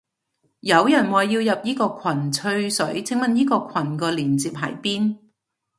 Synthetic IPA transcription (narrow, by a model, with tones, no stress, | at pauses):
jɐ˨˧wjɐ˨˩nwɐː˨jːiː˧wjɐ˨p̚jiː˥kɔː˧kʰɐ˨˩nt͡sʰɵ˧ɥsɵ˨˥ɥt͡sʰɪ˨˥ŋmɐ˨njiː˥kɔː˧kʰɐ˨˩nkɔː˧liː˨˩nt͡siː˨p̚ɦɐ̰˨˩jpiː˥n